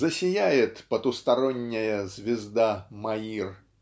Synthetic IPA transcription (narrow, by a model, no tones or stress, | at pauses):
zəsʲɪjæjɪt̪pət̪ʊst̪ɐɾonʲːɪjəzʲvʲɪzd̪amɐir